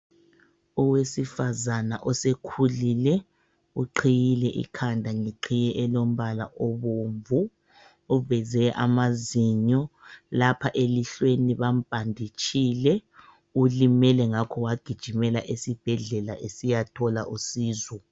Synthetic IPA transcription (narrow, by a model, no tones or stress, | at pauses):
uwesifazana̰ʔɔsekʰulilɛ | uǃʰijilɛʔḭkʰandʱaŋiǃʰijɛʔɛlom̩βala̰ʔoβoɱvuː | vɛzɛʔa̰maziɲɔlapʰaʔeliɬweniβam̩b̥ʱandʱit͡ʃʼilɛ | ulimɛlɛŋakʰɔwaɡ̥ʱid̥ʒ̥ʱimɛlaʔesib̥ʱɛɮɛlaʔesijatʰɔla̰ʔusiːzɔ